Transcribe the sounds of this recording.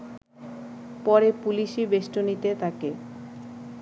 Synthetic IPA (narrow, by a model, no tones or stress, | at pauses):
pɔɾepuliʃibeʃʈonit̪et̪ʰake